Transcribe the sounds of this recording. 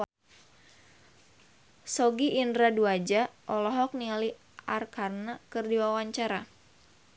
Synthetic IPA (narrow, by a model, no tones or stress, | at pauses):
sɔɡiʔːndɾaduad͡ʒaʔɔlɔɦɔk̚niali | arkarnakɨrdiwawaɲt͡ʃaɾa